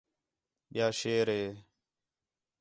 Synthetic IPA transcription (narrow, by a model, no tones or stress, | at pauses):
ɓɪjaːʃeːɾeː